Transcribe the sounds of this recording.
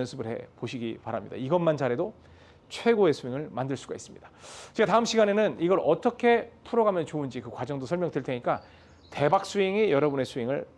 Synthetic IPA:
ʌnsʰɯbɯɭhe̞̰poɕʰiɡipaɾa̰mɲḭda̰iɡʌnmant͡ɕaɾe̞do | t͡ɕʰwe̞ɡoe̞sʰuiŋɯɭmandɯɭs͈uɡais͈ɯmɲid̥ḁt͡ɕeataɯmɕ͈ʰiɡane̞nɯniɡʌɾʔʌt͈ʌkʰe̞tʰuɾʌɡamjʌnt͡ɕoɯnd͡ʑikɯkwad͡ʑʌŋdosʰʌɭmjʌŋtɯɭtʰeɲik͈a | te̞bak̚s͈uiŋejʌɾʌbune̞sʰueŋɯɭ

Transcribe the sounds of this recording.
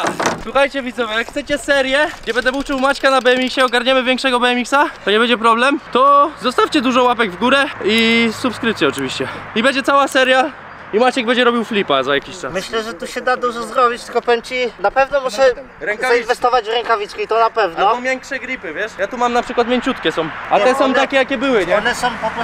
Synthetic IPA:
swuxajt͡ɕɛvʲid̪zɔvɛjakxt̪sɛt͡ɕɛsɛɾjɛɡd͡ʑɛbɛnd̪ɛbuft͡ʂɨwmat͡ɕkanabɛɛmʲikɕɛɔɡaɾɲɛmɘvʲjɛŋkʂɛɡɔbɛɛmʲiksat̪ɔɲɛbɛɲd͡ʑɛpɾɔblɛmt̪ɔzɔst̪afʲt͡ɕɛd̪uʐɔwapɛɡvɡuɾɛisupskɾɘp̚t̪sʲjɛɔt͡ʂɨvʲiɕt͡ɕɛibɛɲd͡ʑɛt̪awasɛɾja | imat͡ɕɛɡ̚bɛɲd͡ʑɛɾɔbʲiwflʲipazajakʲiɕt͡ʂasmɘɕlɛʐɛt̪uɕɛd̪ad̪uʐɛzɾɔbʲit͡ɕt̪ɘlkɔpɛmt͡ɕinapɛvnɔmuʃɛ | ɾɛŋkkavainvɛst̪ɔvad͡ʑvɾɛŋkavʲitt͡skʲiit̪ɔnapɛvnɔɔvʲjɛŋkʂɛɡɾʲipɘvʲjɛʂjat̪umamnapʂɘkwat̪mʲjeɲt͡ɕut̪kʲɛsɔ̃w̃at̪ɛsɔ̃w̃t̪akʲɛjakʲɛbɘwɘɲɛnɛsɔ̃w̃pɔp

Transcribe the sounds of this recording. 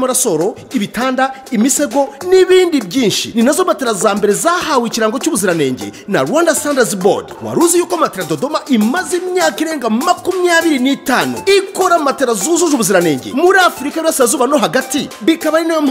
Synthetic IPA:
maɾaso̞ɾo̞ | iβitaːndaimise̞ɡo̞niβiːndibɟiːnʃḭninazomateɾazaːmbe̞ɾe̞zahawiciɾaːŋɡocuːβuziɾane̞̰ːɲɟḛna̰ɾwaːndasaːndazibo̰diwa̰ɾuzijuːkamateɾadodo̞maʔimazimɲaːkiɾe̞ːŋɡamakumijaːβiɾinitaːnṵikoɾamateɾazuzuʒuβuziɾane̞ːɲɟḛmuɾafuɾikaiβiasiɾazuːβano̞ɦaɡatiβikaβaɾinam

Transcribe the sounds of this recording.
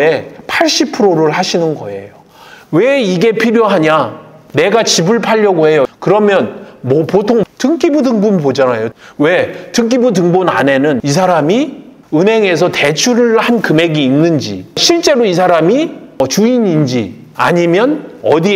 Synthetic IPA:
e̞pʰaɭɕ͈ipʰɯɾoɾɯɭɦaɕʰinɯnɡʌ̰e̞̰jo | we̞iɡe̞pʰiɾjoɦaɲane̞ɡat͡ɕibɯɭpʰaʎːʌɡoɦe̞jokɯɾʌmjʌnmʌpotʰoŋtɯŋk͈ibudɯŋbumpod͡ʑanajowe̞tɯŋk̬͈ibud̬ɯŋbuna̰ne̞nɯnis̬ʰaɾami | ɯnɦe̞ŋe̞sʰʌte̞t͡ɕʰuɾɯɭhankɯme̞ɡiːnːɯnd͡ʑḭɕʰiɭt͡ɕ͈e̞ɾois̬ʰaɾamiʌt͡ɕuiɲind͡ʑi | a̰ɲimjʌnʌdi

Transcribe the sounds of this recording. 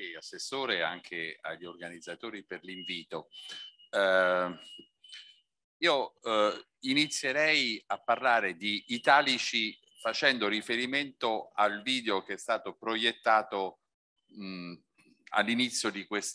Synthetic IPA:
ijasːesːoːɾea̰ŋkʰea̰ʎːiorɡanid̪zːat̪oːɾiperliɱviːt̪o | iːo | init̪sːjeɾɛjapːarlaːɾed̪iːt̪aːlit͡ʃi | fat͡ʃɛnd̪oɾifeɾiment̪oalviːd̪eokeɛst̪aːt̪opɾojet̪ːaːt̪o | a̰lːinit̪sːjod̪ikwes

